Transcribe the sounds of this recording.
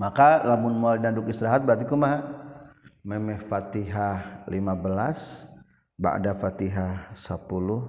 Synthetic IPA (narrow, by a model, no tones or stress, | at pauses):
makalamʊnmoalinadʊkist̪ɾaɦat̪̚bəɾat̪̬ikumaɦa | mɛmɛhfat̪iɦalimabəlas | ba̰ʔdafat̪iɦasəpulʊh